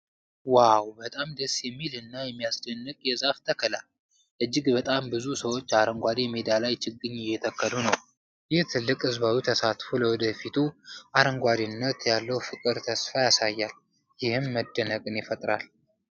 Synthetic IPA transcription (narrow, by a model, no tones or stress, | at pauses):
wawbət̪ʼamd̪əsjɛmːilɨnːajɛmːijasd͡ʒənːɨkʼjɛzaft̪ʰəkʰəlal | ʔɨd͡ʒːɪɡbət̪ʼambɨzusəwo̞t͡ʃːaɾəŋɡʷad̪imed̪alajt͡ʃʰɨɡːɨɲːɪjːɛt̪ʰəkʰːəlunəw | jɪht̪ʰɨlːɨkʼɨzβawit̪ʰəsat̪fuləwɔd̪əfit̪ʰuʔaɾəŋɡʷad̪ɨnːət̪jalːəwfɨkʼɨd̪t̪ʰəsfajasajːal | jɪhɨmːəd̪ːənəkʼɨnjɪfət̪ʼɾa̰l